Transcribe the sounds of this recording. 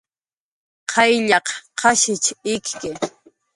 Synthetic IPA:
qʰɑjʎɑqqʰɑʃɪt͡ʃɪkkɪ

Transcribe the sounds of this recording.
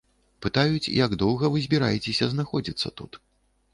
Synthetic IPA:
pɨt̪ajut͡sʲḭjaɡd̪ɔwɣɐvɨzʲbʲiɾa̰jɛt͡sʲesʲɐznaxɔd͡zʲit̪sːɐ̰t̪ut̪

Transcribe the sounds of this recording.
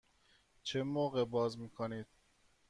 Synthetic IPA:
t͡ʃʰemoːɣebɒːzmiːkʰoniːd̪̥̚

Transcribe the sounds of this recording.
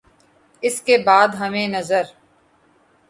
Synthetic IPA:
ɪskebaːd̪ɦɐmẽnɐzəɾ

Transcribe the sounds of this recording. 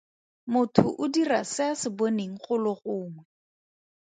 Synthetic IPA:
mʊtʰʊʔʊdirasɪasɪboneŋ̩χʊlʊχʊːŋwɛ

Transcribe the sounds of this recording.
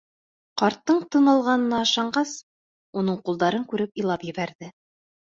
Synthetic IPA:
qɑɾt̪ːɤɴt̪ɤ̆nɑlˠʁɑnɤ̆nɑːʃɑɴɢɑs | unɤɴqulˠd̪ɑɾɤŋkʉɾɘpijlˠɑpjɘ̆βæɾðɘ

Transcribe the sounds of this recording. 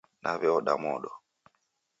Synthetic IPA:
nʔaβɛɔɗamɔɗɔ

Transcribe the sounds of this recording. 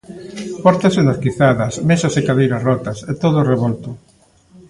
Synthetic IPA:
pɔɾt̪asend̪askiθaðɐsmesasekaðejɾasrɔt̪ɐset̪oðʊoreβɔlt̪ʊ

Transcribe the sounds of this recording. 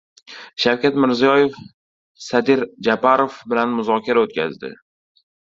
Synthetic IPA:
ʃawkʲat̪mɪɾzijɒje̞f | sad̪ɪɾd͡ʒapaɾofbɪlanmʊzɒkʲʰaɾaot̪̚kʲa̰zd̪ɪ̰

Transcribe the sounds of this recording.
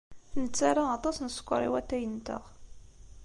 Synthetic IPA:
nət͡sːaɾˤaɑt̪ˤɑsnəskʷːɾˤḭwæt̪ːæjənt̪ə̰ʁ

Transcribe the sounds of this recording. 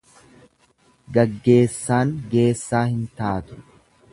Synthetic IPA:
ɡɐɡːe̞ːsːaːŋɡe̞ːsːaːhɪnt̪aːt̪ʊ̥

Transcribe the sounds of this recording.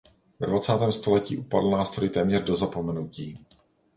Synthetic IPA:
vɛdvat͡saːt̪ɛːmst̪o̞lɛcḭːʔupadl̩naːst̪ɾojɪt̪ɛːmɲɛrdo̞zapo̞mɛnuciː

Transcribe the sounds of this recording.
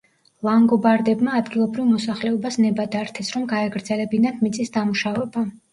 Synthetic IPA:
lˠaŋɡɔbaɾd̪ɛbmaːd̪ɡilˠɔbɾivmɔsaχlɛɔbasnɛbad̪aɾt̪ʰɛsɾɔmɡaɛɡɾd̪zɛlɛbinat̪ʰmit̪sʼisd̪amuʃavɛba

